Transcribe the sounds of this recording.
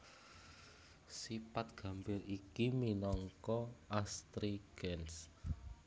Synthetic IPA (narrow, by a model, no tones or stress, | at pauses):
sipat̪̚ɡ̥a̤mbɪɾikiminɔŋkɔast̪ɾiɡ̥ɛns